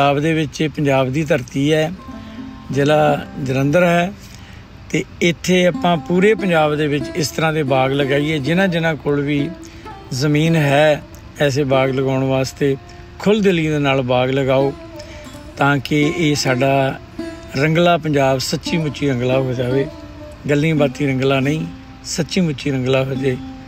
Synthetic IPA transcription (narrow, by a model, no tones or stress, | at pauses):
aːbd̪eːʋɪt͡ʃeːpəɲd͡ʒaːbd̪iːt̪̬əɾt̪iːɦɛː | d͡ʒeːlaːd͡ʒəɾə̃nd̪əɾɦɛː | t̪eːɪt̪ʰːeːapãːpuːɾeːpəɲd͡ʒaːbd̪eːʋɪt͡ʃɪst̪əɾãːd̪eːbaːɡləɡaːiːɛːd͡ʒɪnãːd͡ʒɪnãːkoːlʋiː | zəmiːnɦɛː | ɛːs̬eːbaːɡləɡaːʊɳ̃ʋaːst̪eː | kʰʊld̪ɪlid̪eːnaːlbaːɡləɡaːoː | t̪ãːkɪeːsaːɖaː | ɾəŋɡlaːpəɲd͡ʒaːbsətːt͡ʃʃiːmʊt͡ʃiːɾə̃ŋɡlaːɦoːiːd͡ʒaːʋeː | ɡəlːĩːbaːt̪iːɾə̃ŋɡlaːnəĩː | sətːʃiːmʊt͡ʃiːɾə̃ŋɡlaːɦəd͡ʒ̪eː